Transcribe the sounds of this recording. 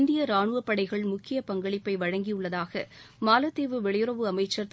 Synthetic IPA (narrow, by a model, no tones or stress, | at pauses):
nd̪ɪjɐɾaːɳɯʋɐpːɐɽɐɪɣɐɭmʊkːɪjɐpɐŋɡɐɭɪpːɐɪʋɐɻɐŋɡijʊɭːɐðaːɣɐmaːlɐt̪ːeːʋɯʋɛɭɐjɯɾɐʋɯɐmɐɪt͡ʃːɐɾt̪